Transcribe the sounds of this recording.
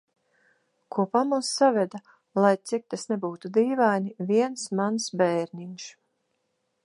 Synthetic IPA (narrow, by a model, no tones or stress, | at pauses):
kʰuɔpamusːavɛd̪a | lˠajt̪sik̚t̪asnɛbuːt̪ud̪iːvajnʲiviɛnsmansbɛjɾnʲiɲʃ